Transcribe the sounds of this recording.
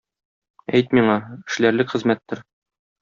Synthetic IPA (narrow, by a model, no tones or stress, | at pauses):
æjt̪miɴɑɘ̆ʃlæɾlɘkχɘ̆zmæt̪ːɘɾ